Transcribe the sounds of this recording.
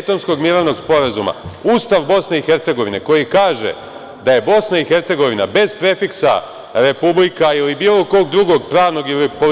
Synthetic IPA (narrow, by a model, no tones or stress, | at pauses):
t̪o̞nsko̞ɡmiɾoʋno̞ɡspo̞ɾazuma̰uːst̪aʋbo̞sne̞ixe̞ɾt̪se̞ɡo̞ʋine̞ko̞jikaːʒe̞̰ | d̪aje̞bo̞snaixe̞ɾt̪se̞ɡo̞ʋina̰be̞zpɾe̞fiksa̰ | ɾe̞publikailibiːlˠo̞ko̞ːɡd̪ɾuɡo̞ɡpɾaːʋno̞ɡilipo